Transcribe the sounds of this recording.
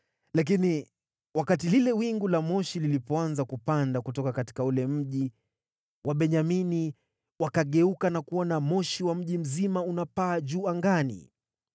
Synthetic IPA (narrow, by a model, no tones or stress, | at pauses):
lak̬ini | wakatililɛwiŋɡulamɔʃililipɔanzakupandakutɔkakati̥kaulɛm̩ʄi | wʔaɓɛɲamini | wakaɠɛukanakuɔnamɔʃiwam̩ʄim̩zimaunapaːʄuːaŋɡanḭ